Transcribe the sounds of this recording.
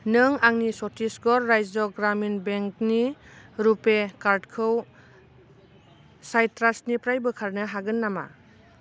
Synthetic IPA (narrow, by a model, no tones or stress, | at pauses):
nɯŋaŋnisɔtʰisɡɔɾːajzɔɡɾaminbeŋk̚niɾupekaɾdkʰɯw | sajtɾasnipɾajbɯkʰaɾnɯɦaɡɯnːama̰